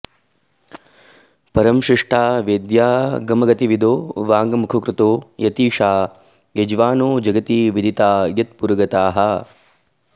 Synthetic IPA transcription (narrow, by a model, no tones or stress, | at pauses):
pɐɾɐmʃiʂʈʰaːʋeːd̪jaːɡɐmɐɡɐt̪iʋid̪ʱoːʋaːŋɡɐmukʰɐkɾut̪oːjɐt̪iːʂaː | jɐd͡ʒʋaːnoːd͡ʒɐɡɐt̪iːʋid̪ʱit̪aːjɐt̪puɾɐɡɐt̪aːɦɐ